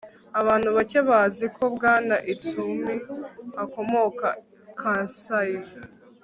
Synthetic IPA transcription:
aβaːn̥huβaceβazikʰo̞bɡaːnaʔit͡sumiβako̞mo̞ka | kʰaːsaji

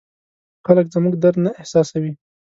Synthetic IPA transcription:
xaləkzmuɡd̪aɾnaɪhsɑsawi

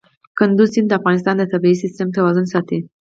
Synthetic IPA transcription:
kɨnd̪usind̪afɡanis̬t̪and̪et̪əbeisist̪emt̪ewazunsat̪i

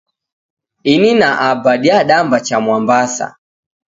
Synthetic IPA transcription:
ininaʔabaɗiaɗambat͡ʃamwambasa̰

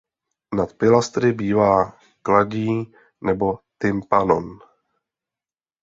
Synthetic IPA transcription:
nat̪pɪlast̪ɾɪbiːvaː | klaɟiː | nɛbo̞t̪ɪmpanon

